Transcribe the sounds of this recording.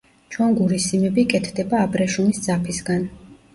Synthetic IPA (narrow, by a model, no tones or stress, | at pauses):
t͡ʃʰwɛnɡuɾisimɛbikʼɛt̪ʰd̪ɛbaːbɾɛʃumisd̪zapʰisɡan